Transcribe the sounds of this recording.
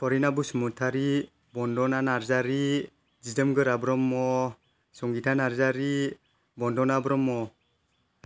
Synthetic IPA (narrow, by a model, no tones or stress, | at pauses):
pʰɔɾinabusumutʰaɾi | bɔndɔnanaɾzaɾi | d͡ʒidɯmɡɯɾabɾɔmːɔ | sɔŋɡitʰanaɾzaɾi | bɔndɔnabɾɔmːɔ